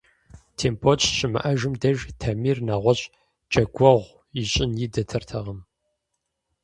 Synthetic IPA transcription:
tʰeːmpʰot͡ʃʰʼɕʼɪmɨ̰ʔɐʒʊmdɐʒtʰɐmiːrnaːʁʷɔɕʼ | d͡ʒʼɐɡʷɐʁʷ | jɪɕʼɪnjidɐtʰɐrtʰɐʁɐm

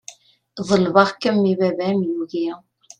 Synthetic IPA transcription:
ðˤəlvɑʁkəmːiβævæmjuɣiʁ

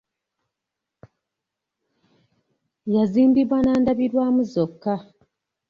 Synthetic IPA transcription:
jaziːmbiβwanaːndaβiɾwaːmuzokːa

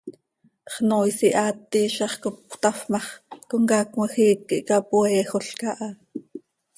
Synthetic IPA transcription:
χnoːjsiʔɑːt̪ːiːʃɑχkop̚t̪ɑfmɑχkoŋkɑkməxiːkːiʔkɑpuɛːxoɬkɑʔɑ

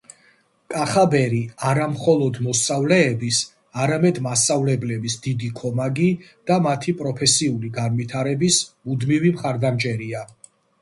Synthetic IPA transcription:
kʼaχabɛɾiaɾamχɔlˠɔd̪mɔst̪sʼavlɛːbis | aɾamɛd̪mast̪sʼavlɛblɛbisd̪id̪ikʰɔmaɡid̪̥amat̪ʰipʼɾɔpʰɛsiuliɡanvit̪ʰaɾɛbismud̪mivimχaɾd̪amt͡ʃʼɛɾia

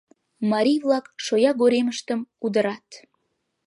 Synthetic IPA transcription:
mɑɾʲijvlˠɑkʃojɑɡoɾeməʃt̪əmud̪əɾɑt̪

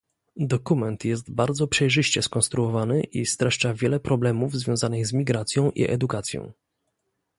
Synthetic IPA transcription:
d̪ɔkumɛnt̪jɛst̪baɾd̪zɔpʂɛjʐɘɕt͡ɕɛskɔñst̪ɾuɔvanɘʔist̪ɾaʂt͡ʂavʲjɛlɛpɾɔblɛmuvzvʲjɔ̃w̃zanɘɣzmʲiɡɾat̪sʲjɔ̃w̃ʔḭʔɛ̰d̪ukat̪sʲjɔ̰̃w̃

